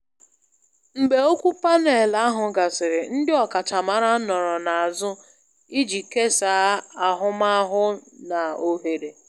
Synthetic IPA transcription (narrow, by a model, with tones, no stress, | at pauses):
m̩˨ɡ͡be˨o˦kʷu˦pa˦ne˨la˦a˦ɦʊ˨ɡa˨sɪ˨ɾɪ˨n̩˦dɪ˦ɔ˨ka˨ta˨ma˨ɾa˦nɔ˨ɾɔ˨na˨a˨zʊ˦ | i˦d͡ʒi˨ke˦saː˨˦a˨ɦʊ˦ma˦ɦʊ˦na˨o˦ɦe˨ɾe˨